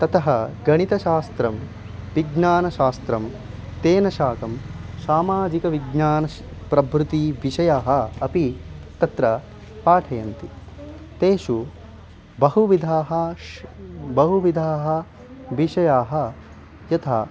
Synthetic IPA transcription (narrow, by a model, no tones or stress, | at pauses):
t̪ɐt̪ɐɦɐɡɐɳit̪ɐʃaːst̪ɾɐm | ʋiɡnaːnɐʃaːst̪ɾɐm | t̪eːnɐʃaːkɐmsaːmaːd͡ʒikɐʋiɡɲaːnɐ | pɾɐbʱɾut̪iʋiʃɐjaːɦɐ̆ɐpit̪ɐt̪ɾɐ | paːʈʰɐjɐnt̪i | t̪eːʃu | bɐɦuʋid̪ʱaːɦɐ | bɐɦuʋid̪ʱaːɦɐ̆ | ʋiʃɐjaːɦɐ̆ | jɐt̪ʰa̰ː